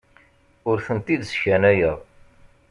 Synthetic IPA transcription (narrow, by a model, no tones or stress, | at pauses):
ʊɾθənt̪id̪sçænæjəð